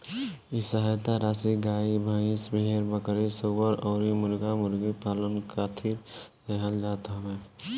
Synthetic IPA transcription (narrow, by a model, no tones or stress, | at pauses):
isəɦəjt̪aɾaːsiɡaːibʱəɪ̃sbeɦeɾbəkɾisobəɾɔːɾimʊɾɡamʊɾɡipaːlənkat̪ʰiɾd̪eɦəld͡ʒat̪ame